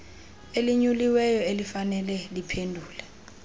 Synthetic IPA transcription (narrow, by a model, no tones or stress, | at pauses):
eliɲuliwɛjɔelifanɛlɛlipʰendʱuːlɛ